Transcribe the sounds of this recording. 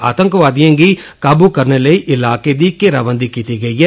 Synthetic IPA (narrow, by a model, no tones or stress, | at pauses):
a̰ːt̪ə̃ŋkʋaːd̪ijãːɡiːkaːbuːkəɾneːləiːʔɪlaːkeːd̪iːkɪɾaːʋə̃nd̪iːkiːt̪iːɡəiːɦɛː